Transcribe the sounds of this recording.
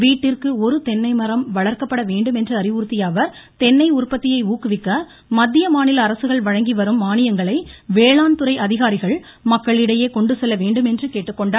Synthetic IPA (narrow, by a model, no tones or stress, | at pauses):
ʋiːʈːɪrkɯɔɾɯt̪ɛnːɐɪmɐɾɐmʋɐɭɐɾkɐpːɐɽɐʋeːɳɖɯmɛndrɯɐɾɪʋuːɾt̪ːɪjaːʋɐɾt̪ɛnːɐɪʊrpɐt̪ːɪjɐɪuːkːɯʋɪkːɐ | mɐd̪ːɪjɐmaːnɪlɐːɾɐsɯɣɐɭʋɐɻɐŋɡiʋɐɾɯmːaːnɪjɐŋɡɐɭɐɪʋeːɭaːnt̪ɯɾɐɪʔɐðɪɣaːɾɪɣɐɭ | mɐkːɐɭɪɽɐjeːkɔɳɖɯsɛlːɐʋeːɳɖɯmɛndrɯkeːʈːɯkːɔɳɖa